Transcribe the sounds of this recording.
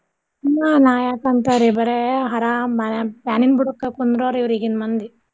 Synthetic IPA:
nːaːnaːjakɐnt̪ɐɾibɐɾeɦɐɾambɐnpjaːninbuɽukːekund̪ɾoːɾiʋɾiɡinmɐnd̪i

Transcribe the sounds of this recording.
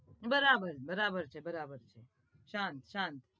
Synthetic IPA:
bəɾabəɾbəɾabəɾt͡ʃʰebəɾabəɾt͡ʃʰe | ʃãnt̪ʃãnt̪

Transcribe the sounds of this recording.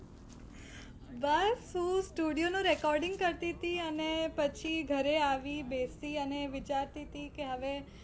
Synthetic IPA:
ʋəɾsũsʈuɖijonũɾekɔɾɖɪ̃ŋɡkəɾt̪it̪iənepət͡ʃʰiɡʱəɾeaʋibesiəneʋɪt͡ʃaɾt̪it̪ikeɦəʋe

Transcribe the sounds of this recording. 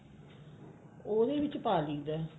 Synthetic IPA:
oːd̪eːʋɪt͡ʃpaːliːd̪ɛː

